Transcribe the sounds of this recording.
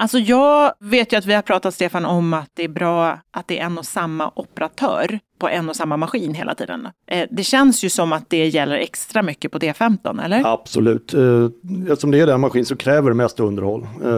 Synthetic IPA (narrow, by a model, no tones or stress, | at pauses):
ʔalsɔjɑːveːt̪jɵat̪vɪhaɾpʰɾɑːt̪at̪st̪eːfanɔmat̪̚d̪ɛæbɾɑːʔat̪̚d̪ɛʔɛnːɔsamːa̰ʔɔpɛɾat̪ʰœ̰ːɾpʰɔʔɛnːɔsamːamaɧiːnɦeːla̰t̪ʰḭːd̪ə̰nʔd̪ɛɕɛnsjɵsɔmːat̪̚d̪ɛjɛlːəɾɛkst̪ɾamʏkːəpʰɔd̪eːfɛmt̪ɔ̰nɛ̰lːəɾab̥sɔ̰lʉ̟ːt̪ | ɛɔmd̪ɛæɖɛnmaɧiːnsɔkʰɾɛːvəɖɛmɛst̪aɵnd̪əɾhɔlː